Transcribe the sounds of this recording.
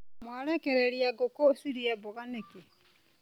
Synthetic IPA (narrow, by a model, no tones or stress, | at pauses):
mwaɾekeɾeɾiaɡokosiɾiaboɣaneki